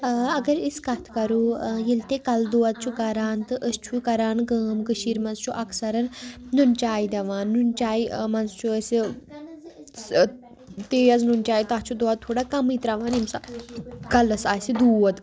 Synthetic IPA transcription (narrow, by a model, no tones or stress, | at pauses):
ɐɡɐɾiskɐt̪ʰkɐɾuːjilt̪ekɐld̪oːɐt̪̚t͡ʃʰukɐɾaːnt̪ɨʔəst͡ʃʰukɐɾaːnkəːmkɨʃiːɾmɐnzt͡ʃʰuʔɐksɐɾɐnnunt͡ʃaːid̪ʲɐʋaːnːunt͡ʃʲaːimɐnzt͡ʃʰuəsi | t̪eːɐznunt͡ʃʲaːjt̪ɐt͡ʃʰud̪oɐt̪t̪ʰːoːɽaːkɐmit̪ɾaʋaːnimsakɐlɐsaːsid̪uːɐd̪